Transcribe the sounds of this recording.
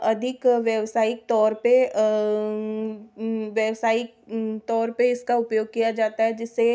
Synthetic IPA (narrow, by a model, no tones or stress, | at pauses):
ɐd̪ʱɪkʋjɛʋsaːɪk̚t̪ɔːɾpe | ʋjɛʋsaːɪk̚t̪ɔːɾpeɪskaʊpjoːɡ̚kijad͡ʒaːt̪aɦɛd͡ʒɪsːe